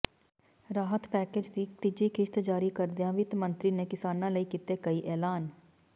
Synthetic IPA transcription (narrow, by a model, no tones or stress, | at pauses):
ɾaːɦət̪pɛːkeːd͡ʒd̪iːt̪ɪd͡ʒiːkʰɪʃt̪d͡ʒaːɾiːkəɾd̪ɪjãːʋɪt̪mə̃nt̪ɾiːneːkɪsaːnãːləiːkiːt̪eːkəiːʔɛːlaːn